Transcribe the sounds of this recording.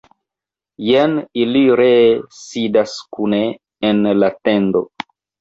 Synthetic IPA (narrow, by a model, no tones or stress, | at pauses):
jeniliɾesidaskuneː | nlatendo̰